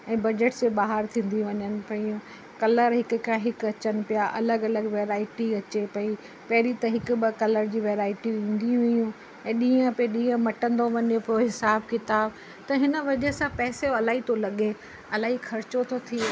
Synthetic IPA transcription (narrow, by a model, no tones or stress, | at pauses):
ɛ̃ːbɐd͡ʑeʈseɓaːɦəɾt̪ʰĩːn̆d̪iũʋɐɲənɪ̆pɐiũ | kɐləɾɦɪkʊkãɦɪkɐt͡ɕənɪ̆pijaʔɐləɡɐləɡʋeːɾaːɪʈiɐt͡ɕepɐi | pɐɦɾit̪ɐɦɪkʊɓɪkɐləɾd͡ʑiːʋeːɾaːɪʈiʋĩːn̆d̪ĩɦʊ̃ijũ | ɛ̃ːɗĩːə̃peɗĩːə̃mɐʈə̃nd̪oʋɐɲopoɦɪsaːbkɪt̪aːb | t̪ɐɦɪnə̆ʋɐd͡ʑəsãpɛːseɐlaːɦit̪ʰolɐɠe | ɐlaːɦixʰɐɾɪt͡ɕot̪ʰot̪ʰi